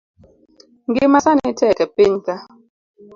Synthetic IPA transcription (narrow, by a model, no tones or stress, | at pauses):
ŋɡimasanitʰɛkɛpinta